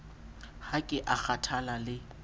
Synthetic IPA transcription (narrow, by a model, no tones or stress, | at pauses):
hakʼɪʔak͡xʰatʰalalɪ